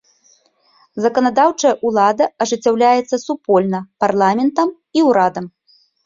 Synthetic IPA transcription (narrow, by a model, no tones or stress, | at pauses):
zɐkɐnad̪awt͡ʂɐjɐʔulˠad̪ɐɐʐɨt͡sʲːawlʲajɛt̪sːɐsupɔlʲnɐparlˠamʲɛnt̪ɐm | iwɾad̪ɐm